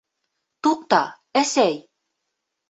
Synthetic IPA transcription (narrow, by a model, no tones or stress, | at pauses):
t̪uq̚t̪ɑ | æsæj